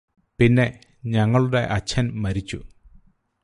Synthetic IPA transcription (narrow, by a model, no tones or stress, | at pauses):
pinːe̞ | ɲɐŋːɐɭuɽe̞ʔɐt͡ɕʰːɐnmɐɾit͡ɕːṵ